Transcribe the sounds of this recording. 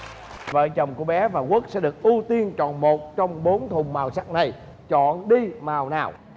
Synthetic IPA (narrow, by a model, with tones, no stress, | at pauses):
və̰ː˧˨t͡ɕə˨˩wŋ͡mku˧˩əɓɛ˨˦vaː˨˩ku˦˥ək̚sɛ̰˧˥ɗɨ˨˩ək̚ʔu˧t̪i˧ənt͡ɕɔ̰˧˨nmo˨˩t̚t͡ɕɔ˧wŋ͡mɓo˨˦nt̪ʰʊ˨˩ŋ͡mmaː˨˩wsa˦˥k̚na˨˩j | t͡ɕɔ̰˧˨nɗi˧maː˨˩wnaː˨˩w